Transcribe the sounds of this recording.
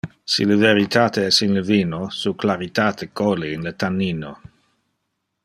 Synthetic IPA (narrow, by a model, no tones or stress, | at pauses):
sḭləveɾit̪ʰaːt̪eɛsinləviːnosuklaɾit̪aːt̪ʰekoliːnlət̪anːiːno